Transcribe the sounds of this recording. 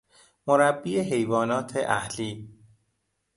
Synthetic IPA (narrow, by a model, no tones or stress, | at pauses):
moɾæbːiːeɦe̞jvɒːnɒːt̪ʰeʔæhliː